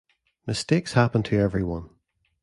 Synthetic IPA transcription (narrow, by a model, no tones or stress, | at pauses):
mɪstekshapə̃ntʰəɛvɹiwʌ̃n